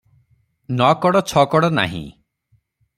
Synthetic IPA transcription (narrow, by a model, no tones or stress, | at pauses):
nɔkɔɽɔt͡ʃʰɔkɔɽɔna̰ɦḭ̃